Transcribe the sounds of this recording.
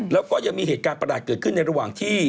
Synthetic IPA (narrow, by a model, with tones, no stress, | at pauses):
lɛː˦˥wkɔː˥˩ja˧ŋmiː˧ɦeː˨˩t̪kaː˧npɾa˧daː˨˩t̪̚kɤː˨˩t̪̚kʰɯ˥˩nːa˧jɾa˧waː˨˩ŋt̪ʰiː˥˩